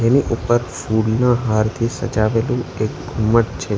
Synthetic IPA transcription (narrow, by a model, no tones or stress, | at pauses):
d͡ʒeniʔupəɾfulnãɦaɾt̪ʰisə̰d͡ʒaʋelũekɡʱumːəʈt͡ʃʰe